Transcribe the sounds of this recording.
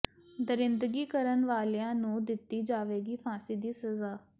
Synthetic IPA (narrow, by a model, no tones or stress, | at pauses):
d̪əɾɪ̃nd̪əɡiːkəɾənʋaːljãːnũːd̪ɪt̪ːiːd͡ʒaːʋeːɡiːfʰãːsiːd̪iːsəzaː